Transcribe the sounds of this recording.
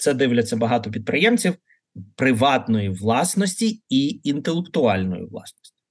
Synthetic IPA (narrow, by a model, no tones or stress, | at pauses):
t̪sɛd̪ɪʋlʲɐt͡sʲɐbɐɦɑt̪ɔp̬ʲid̪̚pɾɪjɛmt͡sʲiw | pɾɪʋɑt̪nɔjiʋlˠɑsnɔsʲtʲiiːnt̪elˠekt̪ʊɑlʲnɔ̰jḭʋlˠɑ̰snɔ̥sʲtʲi̥